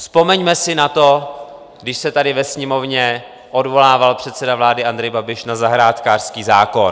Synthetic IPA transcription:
spo̞mɛɲmɛsɪnat̪o̞ | ɡdɪʃsɛt̪adɪvɛsɲɛmo̞vɲɛ | ʔo̞dvo̞laːvalpr̥ɛt̪sɛdavlaːdɪʔand̪ɾɛjbabɪʃnazaɦɾaːt̪kaːr̥skiːzaːko̞n

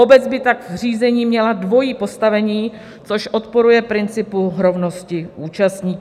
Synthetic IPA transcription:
obɛd͡zbɪt̪aɡr̝iːzɛɲiːmɲɛladvo̞jiːpo̞st̪avɛɲiː | t͡soʃʔo̞t̪po̞ɾujɛpɾɪnt͡sɪpuɦɾo̞vno̞scɪʔuːt͡ʃast̪ɲiːk

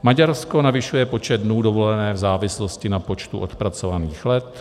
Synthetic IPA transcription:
maɟaɾsko̞navɪʃujɛpo̞t͡ʃɛd̪̚dnuːdovo̞lɛnɛːvzaːvɪslo̞scɪnapo̞t͡ʃt̪uʔot̪pɾat͡sovaniːxlɛt̪

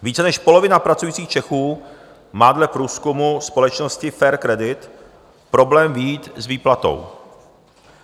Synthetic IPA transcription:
viːt͡sɛnɛʃpo̞lo̞vɪnapɾat͡sujiːt͡siːxt͡ʃɛxuː | maːdlɛpɾuːskumuspo̞lɛt͡ʃno̞scɪfɛːɾkɾɛdɪt̪ | pɾo̞blɛːmvijiːt̪zviːplat̪o̞̰w

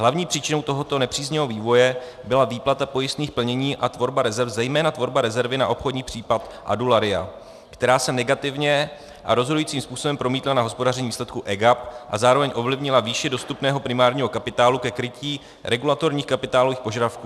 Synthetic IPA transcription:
ɦlavɲiːpr̥iːt͡ʃɪnowt̪o̞ɦo̞t̪o̞nɛpr̥iːzɲɛɦo̞viːvo̞jɛ | bɪlaviːplat̪apo̞jɪst̪niːxpl̩ɲɛɲiːʔat̪vo̞ɾbaɾɛzɛɾfzɛjmɛːnat̪vo̞ɾbaɾɛzɛɾvɪnaʔo̞pxodɲiːpr̝̥iːpat̪ʔa̰dulaɾɪa̰ | kt̪ɛɾaːsɛnɛɡat̪ɪvɲɛ | ʔa̰ɾo̞zɦodujiːt͡siːmspuːsoɛmpɾo̞miːt̪lanaɦo̞spo̞dar̝ɛɲiviːslɛt̪̚kuʔɛɡapʔa̰zaːɾo̞vɛɲʔo̞vlɪvɲɪlaviːʃɪdo̞st̪upnɛːɦo̞pɾɪmaːɾɲiːɦo̞kapɪt̪aːlukɛkɾɪciː | ɾʔɛɡulat̪o̞ɾɲiːxkapɪt̪aːlo̞viːxpo̞ʒadafkuː

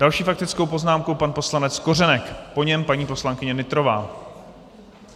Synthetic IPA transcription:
d̥alʃiːfak̚t̪ɪt͡skowpo̞znaːmkowpanpo̞slanɛt͡sko̞rɛnɛkpo̞ɲɛmpaɲiːpo̞slaŋkɪɲɛnɪt̪ɾo̞va̰ː

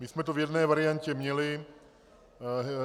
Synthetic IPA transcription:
mɪsmɛt̪ovjɛdnɛːvaɾɪjaɲcɛmɲɛlɪ

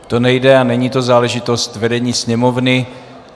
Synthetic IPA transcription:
t̪o̞nɛjdɛanɛɲiːt̪o̞zaːlɛʒɪt̪o̞st̪vɛdɛɲiːsɲɛmo̞vnɪ

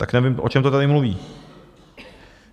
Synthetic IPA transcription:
t̪aknɛvɪmʔot͡ʃɛmt̪ot̪adɪmluvḭː

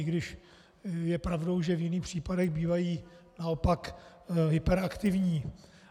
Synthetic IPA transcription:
ɪɡdɪʃ | jɛpɾavdowʒɛvjɪniːxpr̥iːpadɛɣbiːvajiː | naopak | ɦɪpɛɾakt̪ɪvɲiː

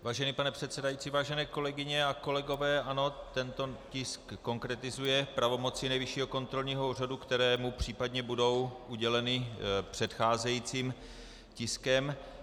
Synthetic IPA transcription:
vaːʒɛniːpanɛpr̥ɛt̪sɛdajit͡siːvaːʒɛnɛːko̞lɛɡɪɲɛako̞lɛɡo̞vɛːʔano̞t̪ɛnt̪o̞cɪskːo̞ŋkɾɛt̪ɪzujɛpɾavo̞mo̞t͡sɪnɛjvɪʃiːɦo̞ko̞nt̪ɾo̞lɲiːɦouːradukt̪ɛɾɛːmupr̝̥iːpadɲɛbudo̞wʔuɟɛlɛnɪpr̥ɛt̪xaːzɛjiːt͡siːm | cɪskɛm

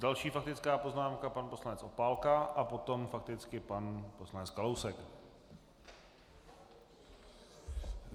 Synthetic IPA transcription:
dalʃiːfak̚t̪ɪt͡skaːpo̞znaːmkapanposlanɛt͡sʔo̞paːlkaʔapo̞t̪o̞mfak̚t̪ɪt͡skɪpanpo̞slanɛt͡skalowsɛk

